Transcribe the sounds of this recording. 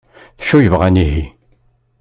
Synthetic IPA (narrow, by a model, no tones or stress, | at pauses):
θʃːujəvʁæniɦi